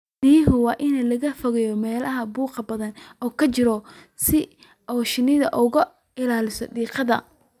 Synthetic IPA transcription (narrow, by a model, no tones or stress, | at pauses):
niːɦʊwɑːʔɪnɐlɐɣɐfɔɣɛjɔmɛːlɐɦɐbuːqɑbɐðɐnʔɔːkʰɐt͡ʃɪɾɔ | sɪ | ʔɔːʃɪnɪðɐʔʊɣɐ | ɪlaːlɪsɔ̰ɖiːqɑðɐ̰